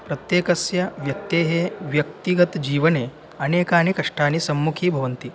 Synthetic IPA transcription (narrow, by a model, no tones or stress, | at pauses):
pɾɐt̪jeːkɐsjɐʋjɐk̚t̪eːɦeːʋjɐk̚t̪iɡɐt̪d͡ʒiːʋɐneː | ɐneːkaːnikɐʂʈaːnisɐmːukʰiːbʱɐʋɐnt̪i